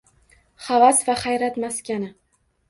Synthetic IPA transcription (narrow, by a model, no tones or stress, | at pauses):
χavasvaχajɾat̪maskʲanɪ